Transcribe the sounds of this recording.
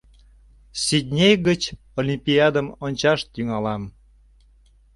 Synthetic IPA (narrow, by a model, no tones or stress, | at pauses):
sid̚ʲnʲejɣət͡ɕ | olʲimpʲiɑd̪əmonʲt͡ɕɑʃt̪yŋɑlɑm